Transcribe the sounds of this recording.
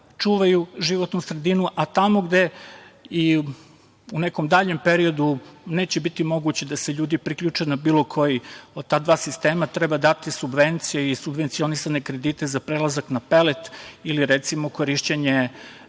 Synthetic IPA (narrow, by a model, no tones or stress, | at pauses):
t͡ʂuːʋajuʒiʋot̪nusɾed̪inuʔat̪amo̞ɡd̪e̞ | i | uneko̞md̪aʎe̞mpe̞ɾio̞d̪une̞ːt͡ɕebit̪imo̞ɡut͡ɕed̪aseʎuːd̪ipɾikʎʲut͡ʂenabiːlˠo̞kʰo̞jit̪aːd̪ʋaːsist̪e̞ːmat̪ɾɛbad̪at̪isubʋe̞nt̪sijeisubʋe̞nt̪sio̞nisanekɾe̞d̪iːt̪e̞zapɾelazaknape̞let̪iliɾet̪simoko̞ɾiʃt͡ɕeɲe